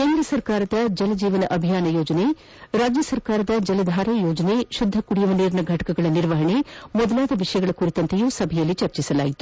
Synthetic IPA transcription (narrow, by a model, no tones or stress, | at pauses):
keːnd̪ɾɐsɐɾkaːɾɐd̪ɐd͡ʒɐlɐd͡ʒiːʋɐnɐʔɐbʱijaːnɐjoːd͡ʒɐne | ɾaːd͡ʒjɐsɐɾkaːɾɐd̪ɐd͡ʒɐlɐd̪ʱaːɾɐjoːd͡ʒɐneʃud̪ʱːɐkuɽijɐʋɐniːɾɳɐɡʱɐʈɐ̥kɐɡɐɭɐniɾʋɐɦɐɳemɔd̪ɐlaːd̪ɐʋiʂɐjɐɡɐɭɐkuɾit̪ɐnt̪ejuːsɐbʱɛjɐlːit͡ʃɐɾt͡ʃisɐla̰ːjit̪u̥